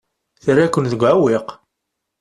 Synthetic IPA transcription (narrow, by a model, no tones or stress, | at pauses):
θrːækːənðəɡʷʕawiq